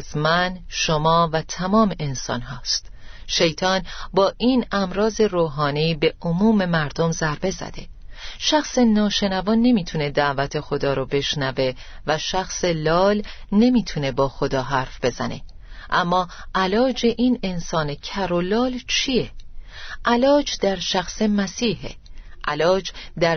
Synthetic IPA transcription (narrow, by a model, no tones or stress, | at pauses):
zmænʃomɒːvæt̪ʰæmɒːmʔensɒ̰ːnɦɒːst̪ʃe̞jt̪ʰɒːnbɒːʔiːnæmɾɒːze̞ɾoːɦɒːniːbe̞ʔomuːme̞mæɾd̪o̞mzæɾbe̞zæ̰d̪̥e̞ | ʃæxsenɒːʃe̞nævɒːnːe̞miːt̪ʰune̞d̪æʔvæt̪ʰe̞xo̞d̪ɒːɾɔbe̞ʃnæve̞ | væʃæxselɒːlne̞miːt̪ʰune̞bɒːxo̞d̪ɒːɦæːɾfb̥e̞zæne̞̰ | ʔæmːɒːʔælɒːd͡ʒe̞ʔiːnensɒːne̞cʰæɾolɒːlt͡ʃʰije | ʔælɒːd͡ʒd̪̥æɾʃæxse̞mæsiːɦḛʔælɒːd͡ʒd̪æɾ